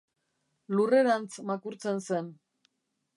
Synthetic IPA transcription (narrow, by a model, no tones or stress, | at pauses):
lure̞ɾant͡smakuɾt͡se̞nse̞n